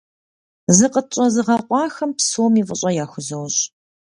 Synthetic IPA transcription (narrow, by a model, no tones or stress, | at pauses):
zɨqʼət͡ʃʼɐzɨʁɐqʷʼɑːxɐmpsuwmiːfʼəɕʼɐjaːxʷʊzɐwɕʼ